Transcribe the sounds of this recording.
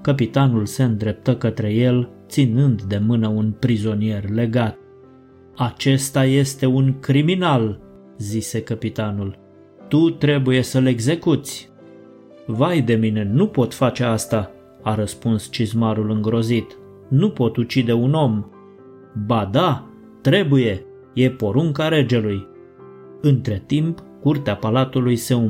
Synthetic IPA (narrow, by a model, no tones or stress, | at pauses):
kəp̬it̪anulse̞ɨnd̪ɾe̞p̚t̪əkət̪ɾe̞je̞lt̪sinɨnd̪d̪e̞mɨnəunpɾizo̞nije̞rle̞ɡat̪̚ | at͡ʃe̞st̪aje̞st̪e̞uŋkɾiminal | zise̞kəpit̪anul | t̪ut̪ɾe̞buje̞səle̞ɡze̞kut̪sʲ | vajd̪e̞mine̞nupo̞t̪fat͡ʃe̞ast̪a | aɾəspunst͡ʃizmaɾulɨŋɡɾo̞zit̪ | nupo̞t̪ut͡ʃid̪e̞uno̞m | bad̪a | t̪ɾe̞buje̞ | je̞po̞ɾuŋkaɾe̞d͡ʒe̞luj | ɨnt̪ɾe̞t̪imp | kurt̪eapalat̪ulujse̞um